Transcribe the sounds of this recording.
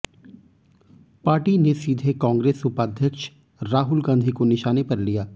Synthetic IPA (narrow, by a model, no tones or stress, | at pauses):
paːɾʈinesiːd̪ʱekãːŋɡɾeːsʊpaːd̪ʱjəkʃ | ɾaːɦʊlɡãːnd̪ʱikonɪʃaːnepɐɾlijaː